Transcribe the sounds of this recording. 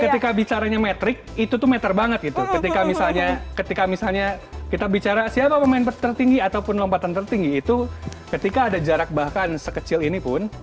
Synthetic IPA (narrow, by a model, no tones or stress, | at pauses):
kəikabit͡ʃaɾaɲamet̪ɾɪk̚it̪ut̪ʊhmet̪ərbaŋət̪̚ɡit̪ukət̪ikamisalɲakət̪ikamisalɲakit̪abit͡ʃaɾasiapapəmaɪnpət̪ːərt̪iŋɡiat̪awpʊnlompat̪ant̪ərt̪iŋɡiːt̪ukət̪ikaːdad͡ʒaɾak̚bahkansəkət͡ʃɪlinipʊn